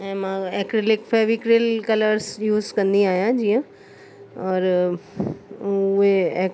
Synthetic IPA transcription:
ɛ̃ːmãɛːkɾɪlɪkfʰɛʋikɾelkɐləɾsjuːzkɐ̃nd̪iaːɦijãd͡ʑiːə̃ | ɔːɾ | ʊeɛː

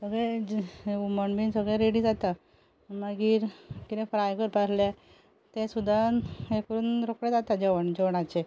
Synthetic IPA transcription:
səɡɭɛ | uməɳbiːnsəɡɭɛ̃ɾeɽid͡zat̪a | məɡiːɾkit̪ɛ̃fɾajkəɾpaɾle | t̪ẽsud̪ʱanekəɾuːnɾokɽed͡zat̪ad͡ʑeʋəɳd͡ʑeʋɳat͡ɕe

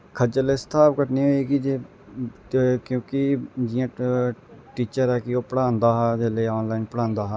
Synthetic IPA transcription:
kʰəd͡ʒəleːsə̥t̪ʰaːpkəʈneːɦoːiːkid͡ʒe | kjõːkɪd͡ʒɪjãː | ʈiːt͡ʃəɾɛːkɪoːpəɽãːnd̪aːɦad̪eːləiɔːnlaːinpəɽãːnd̪aːɦaː

